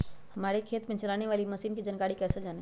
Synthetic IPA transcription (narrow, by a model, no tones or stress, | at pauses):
hɐmaːɾekʰeːt̪mẽt͡ʃɐlaːneʋaːlimɐsiːnkid͡ʒənkaːɽikɛːsed͡ʒaːne